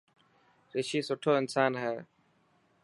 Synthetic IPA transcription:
ɾeʃiːsʊʈʰːoːɪnsaːnɦɛː

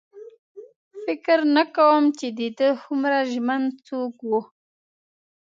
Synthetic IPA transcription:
fɪkəɾnakawəmt͡ʃed̪id̪əhumɾaʒmant͡sokwu

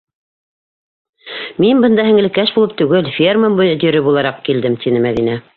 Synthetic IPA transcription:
minbɤ̆nd̪ɑɦɘ̆ŋɘ̆ɘ̆kæʃbulˠɤp̚t̪ʉɡɘlfʲerməmbujɤt̪ɵ̆ɾɘbulˠɑɾɑq̚kild̪ɘmt̪ʰinɘmæðinæ

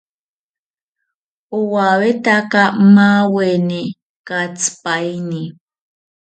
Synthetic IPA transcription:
uwawetakamaweni | kat͡spajni

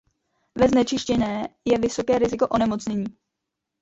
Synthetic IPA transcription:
vɛznɛt͡ʃɪʃcɛnɛːjɛvɪso̞kɛːɾɪzɪko̞ʔo̞nɛmo̞t͡sɲɛɲiː

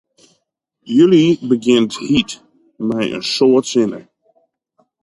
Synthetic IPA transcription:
jølibəɡɪntʰhit | mɛjə̰nsoətsɪnə̰ɹ

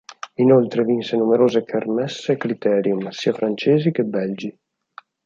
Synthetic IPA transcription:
inolt̪ɾevinsenumeɾoːzekʰermɛsːekɾit̪ɛːɾjumsiːafɾant͡ʃeːzikebɛld͡ʒi

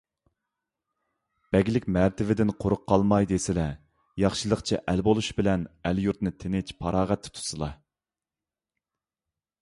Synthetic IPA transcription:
b̥ɛɡʲilɪkʲmæɾt̪ʰɪvɪd̪ɪnqʰʊɾʊqʰːɑlˠmɑjd̪esɪlɛ | jɑχʃɨlˠəqt͡ʃʰɛʔɛlbolˠuʃbɪlɛnɛljuɾt̪nɨt̪ʰenɪt͡ʃpʰɑɾɑːʁɛt̪ʰːɪ̥t̪ʰu̥sɨlˠɑ

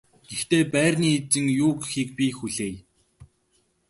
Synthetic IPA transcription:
ɡ̥ext̪eːpæːrniːet͡sɘ̆ŋjʊːɡxiːk̚pʲixuɮeːj

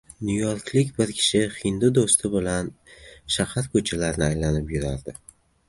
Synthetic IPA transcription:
nujoɾkʲʰlɪkʲbɪɾkʲʰɪ̥ʃɪχɪnd̪ʊd̪ost̪ʰɪbɪlanʃahaɾkʰɵt͡ʃʰalaɾnɪajlanɪpjʊɾa̰ɾd̪ɪ

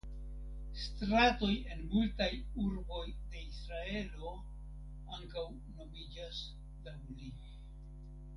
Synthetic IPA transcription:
stɾato̞je̞nmultajuɾbo̞jde̞isɾae̞lo̞ | aŋkaw | no̞mid͡ʒas | dawli

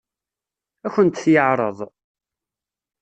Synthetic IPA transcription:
æçənt̪θjəʕɾˤəðˤ

